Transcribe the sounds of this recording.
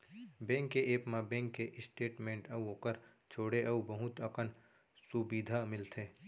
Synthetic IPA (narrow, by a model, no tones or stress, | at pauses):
bɛ̃ːŋkːeʔeːpmãbɛ̃ːŋkːeʔɪsʈeːʈmẽːɳʈɐuɦoːkəɾ | t͡ʃʰoːɽeʔɐubɐɦʊt̪əkən | subid̪ʱamɪlt̪ʰeː